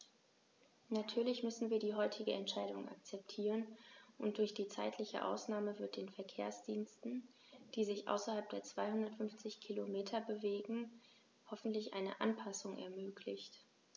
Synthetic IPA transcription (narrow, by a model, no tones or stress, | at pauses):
natʰyːɐlɪçmʏsn̩viːɐdiːɦɔʏtʰɪɡəʔɛntʃaɪdʊŋʔa̰k̚t͡sɛp̚tʰiːʁənʔʊnt̚d̥ʊɐçd̥iːt͡sa̰ɪtʰlɪçə̰ʔa̰ʊsnaːməvɪɐt̚d̥eːnfɛɐkʰḛːɐsd̥iːnstn̩ | d̥iːzɪçʔa̰ʊsɐhalp̚d̥eːɐt͡sv̥aɪhʊndɐtfʏnft͡sɪçkʰilomeːtʰɐbəveːɡŋ̩ | hɔfn̩tlɪçʔa̰ɪnə̰ʔa̰npʰasʊŋʔɛ̰ɐmøːkʰlɪçt